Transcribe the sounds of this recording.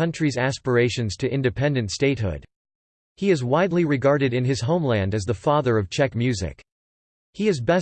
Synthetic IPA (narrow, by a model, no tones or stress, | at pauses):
ʌ̃nt͡ʃɹ̥izæspə˞eɪʃɨ̃nz̥tʰɨʔɪ̃ndɨpʰɛ̃ndɨ̃ntsteɪt̚ɦʊ̰d̥ | hiɨzwaɪdˡliɹɨɡɑɹɾɨɾɨ̃nɨz̥ɦõʊ̃mlæ̃ndɨzðəfɑðə˞ʌv̥t͡ʃʰɛkmjʉzɪ̰k | hiɨzbɛ